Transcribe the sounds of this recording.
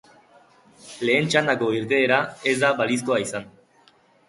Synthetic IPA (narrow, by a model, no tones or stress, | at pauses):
le̞ːnt͡ʃand̪ako̞iɾt̪e̞ːɾae̞zd̪aβalis̬ko̞aisan